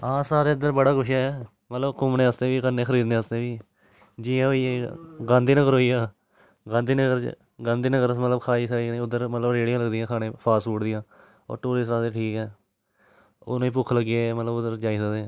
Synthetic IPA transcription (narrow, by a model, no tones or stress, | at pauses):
ãːsaːɾeːɪd̪əɾbəɽaːkʊʃɦɛː | mət̪ləbkʊmnẽːəst̪ẽːʋiːkənːeːxəɾiːd̪nẽəst̪eːʋiː | d͡ʒiːãɦoiːeːɡãːnd̪iːnəɡəɾɦoːiːaː | ɡãːnd̪iːnəkəɾ | ɡãːnd̪iːnəɡəɾmət̪ləbkʰaːiːsainẽʊd̪ːəɾmət̪ləbɾeːɽɪjãːləɡd̪ijãːkʰaːɽ̃ẽːpʰaːsfuːʈd̪ɪjãː | ɔ̰ːɾʈoːɾiːsɾaːt̪eːʈʰiːkɛː | ʊ̰ñːĩːpʊkʰləɡeːmət̪ləbʊd̪əɾd͡ʒaːiːsəkd̪ẽː